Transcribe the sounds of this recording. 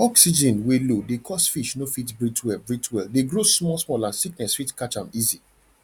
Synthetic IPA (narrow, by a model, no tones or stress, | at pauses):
ɔksid͡ʒɛ̃nwelodekʰɔsfiʃnofitbɹitwɛlbɹitʰwɛldeɡɹosmɔlsmɔlãnsiknɛsfitkat͡ʃãmizi